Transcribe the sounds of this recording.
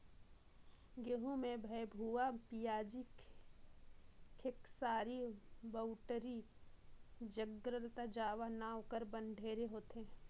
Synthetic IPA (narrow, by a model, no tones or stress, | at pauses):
ɡeɦũmẽbʱəjbʱuapijaːd͡ʒi | kʰɪksaːɾibəʊʈɾi | d͡ʒəɡɾəlt̪ad͡ʒaːʋanaːwkəɾbə̃nɖʱeːɾeɦoːt̪eɦeː